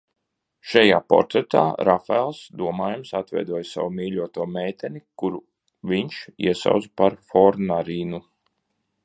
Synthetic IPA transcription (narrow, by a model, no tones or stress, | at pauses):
ʃajaːpɔ̰ɾt̪ɾɛt̪a̰ːɾafaɛlˠsd̪uɔmaːjumsat̪vɛ̰jd̪uɔjsa̰wumiːʎuɔt̪uɔmeːt̪ɛnikuɾu | vʲiɲʃḭɛsa̰wd̪zpaɾfɔɾnaɾiːnu